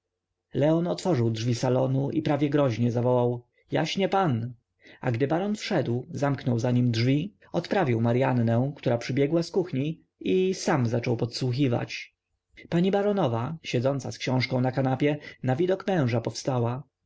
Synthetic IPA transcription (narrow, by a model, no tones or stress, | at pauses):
lɛɔnɔt̪fɔʐɘwdʐvʲisalɔnuʔipɾavʲjɛɡɾɔʑɲɛzavɔwaw | ja̰ɕɲɛpan | a̰ɡd̪ɘbaɾɔnfʂɛd̪wzamknɔwzaɲimdʐvʲi | ɔt̪pɾavʲiwmaɾjanːɛ̃kt̪uɾapʂɘbʲjɛɡwaskuxɲi | isamzat͡ʂɔwpɔt̪swuxiva̰t͡ɕ | paɲibaɾɔnɔvaɕɛd̪zɔnt̪saskɕɔ̃w̃ʂkɔ̃w̃nakanapʲjɛnavʲid̪ɔkmɛ̃w̃ʐapɔfst̪awa